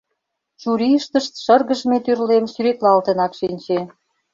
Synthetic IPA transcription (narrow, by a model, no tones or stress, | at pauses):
ʃuɾiəʃt̪ə̆ʃt̪ʃərɣə̆ʒmet̪yrlemsyɾet̪lɑlt̪ə̆nɑkʃinʲt͡ɕe